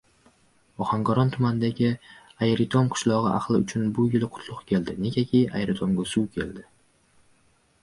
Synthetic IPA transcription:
ɒχaŋɡɒɾɒnt̪ʰʊmanɪd̪aɡʲɪ | ajeɾɪt̪ʰomqʰʊ̥ʃlˠɒʁɨʔa̰χlˠɪʊ̰t͡ʃʰʊnbʊjɪlɪqʰʊ̥t̪ʰlˠʊqkʲʰe̞ld̪ɪne̞ɡʲakʲʰejʔa̰jɾɪt̪ʰomɡʲasuwkʲʰe̞ld̪ɪ

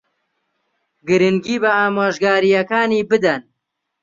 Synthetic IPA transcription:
ɡɨɾɨŋɡiːbɐaːmaːʒɡaːɾijɐkaːniːbɨd̪ɐn

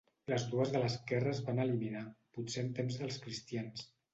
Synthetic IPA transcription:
ləzðuəzðələskɛrəzβanəliminaput͡seəmt̪emzðəlˠskɾist̪ians

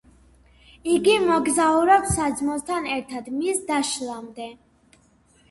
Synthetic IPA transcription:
iɡimɔɡzauɾɛpsad̪zmɔst̪ʰanɛɾt̪ʰad̪misd̪aʃlˠamd̪ɛ

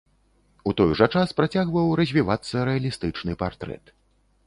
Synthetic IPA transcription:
ut̪ɔjʐɐt͡ʂaspɾat͡sʲaɣvɐwɾɐzʲvʲivat̪sːɐɾɛɐlʲist̪ɨt͡ʂnɨpart̪ɾɛ̰t̪

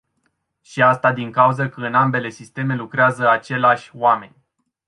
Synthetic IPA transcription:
ʃiast̪ad̪iŋkauzəkəɨnambe̞le̞sist̪e̞me̞lukɾeazəat͡ʃe̞laʃʲoame̞̰nʲ

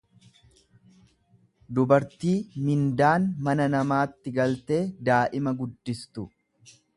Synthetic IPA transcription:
d̪ʊbɐɾt̪iːmɪnd̪aːnmɐnɐnɐmaːt̪ːɪɡɐlt̪e̞ːd̪aːʔɪmɐɡʊd̪ːɪst̪ʊ

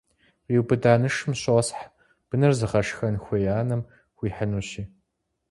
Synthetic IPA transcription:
qiwbɨdaːnɨʂɨmɕosħ | b̥ɨnɨrzɨχɐʂxɐnxʷejaːnɐm | xʷiːħənuːɕiː

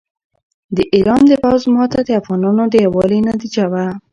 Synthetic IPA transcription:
d̪əʔiɾɑnd̪əpawzmɑt̪ad̪əafɣɑnɑnod̪əjawɑlenad̪əd͡ʒawa

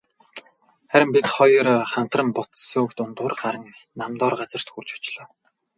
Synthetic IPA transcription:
χæɾʲɪ̆mpit̪χɔjrχam̥t̪rə̆mpʊt̪sʊːkt̪ʊnt̪ʊːrɢaɾə̆ŋnamt̪ɔːrɢat͡sə̆r̥t̪xurt͡ɕʊ̥t͡ɕɮɔ̆ː

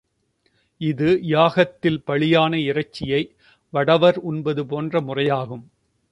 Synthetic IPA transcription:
ɪðɯjaːɣɐt̪ːɪlpɐɭɪjaːnɐɪrɐt͡ʃːɪjɐɪ | ʋɐɽɐʋɐɾʊnbɐðɯpoːndrɐmʊrɐjaːɣɯm

